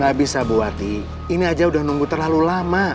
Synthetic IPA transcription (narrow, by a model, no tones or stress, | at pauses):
abisabuat̪i | iniad͡ʒaudahnuŋɡut̪ərlalulama